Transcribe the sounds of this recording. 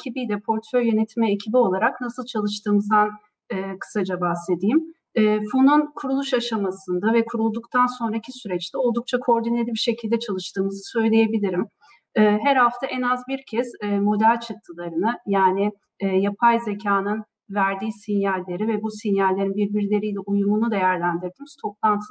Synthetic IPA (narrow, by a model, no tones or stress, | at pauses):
ecʰibijd̪ɛpʰo̞ɾt̪fø̞ɾjø̞net̪ʰimɛːcʰibio̞lˠaɾaknasɯlˠt͡ʃʰalˠɯʃt̪ʰɯːmɯzd̪an | ɯːkʰɯ̥sad͡ʒabahsle̞d̪ijm | ɛːfununkʰuɾulˠuʃaʃamasɯnd̪avɛkʰuɾulˠd̪ukt̪ʰanso̞nɾaicʰisyɾɛt͡ʃt̪ʰɛo̞lˠd̪uk̚t͡ʃʰakʰoo̞ɾd̪ine̞lʲibiʃecʰilʲd̪ɛt͡ʃʰalˠɯʃt̪ɯːmɯzɯsø̞jlʲeje̞bilʲiɾim | ɛːɦɛɾhaft̪ʰaʔɛnazbiɾcʰɛzːmo̞d̪ælʲt͡ʃʰɯkt̪ʰːɯlˠaɾɯnɯjaːnɪː | japʰajze̞cʰaːnɯn | væɾd̪iːsinjalʲːe̞ɾivɛbusinjalʲːeɾinbiɾbiɾlʲe̞ɾijlʲɛʔujumunud̪e̞jæɾlʲænd̪iɾd̪imiz̥t̪ʰo̞p̚lˠant̪ʰɯ